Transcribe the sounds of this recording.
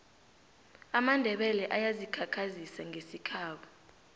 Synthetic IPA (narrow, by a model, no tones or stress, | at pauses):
amandʱɛɓɛlɛʔajazikʰakʰazisaŋɡʱesikʰaːɓɔ